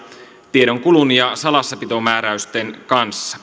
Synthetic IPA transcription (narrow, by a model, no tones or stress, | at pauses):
t̪iedo̞ŋkulunjɑsɑlɑsːɑpit̪o̞mæːɾæyst̪enkɑnsːɑ̥